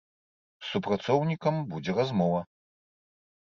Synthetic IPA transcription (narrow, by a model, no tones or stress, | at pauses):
supɾat̪sɔwnʲikɐmbud͡zʲɛɾazmɔvɐ